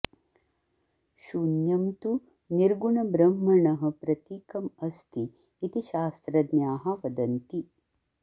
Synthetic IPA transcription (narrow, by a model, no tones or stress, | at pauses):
ʃunjɐmt̪u | niɾɡuɳɐbɾɐmːɐɳɐɦɐ̆pɾɐt̪iːkɐmɐst̪iː | t̪iʃaːst̪ɾɐd̪njaːɦɐʋɐd̪ɐnt̪i